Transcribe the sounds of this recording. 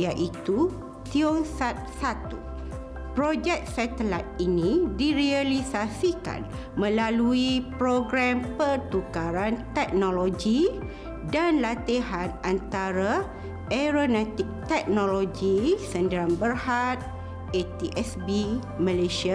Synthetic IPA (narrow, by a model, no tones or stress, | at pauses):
jaʔit̪u | t̪iɔŋsat̪̚sat̪ṵ | pɾod͡ʒɛk̚sɛt̪əlat̪̚inĩdiɾialisasika̰n | mə̃laluipɾoɡɾampərt̪ukaɾant̪ɛk̚noloɡi | danlat̪iɦanant̪aɾa | ɛɾonɛ̃t̪ik̚t̪ɛk̚nõloɡisəndiɾanbərhat̪̚ | et̪iʔɛsbi | mə̃leʃia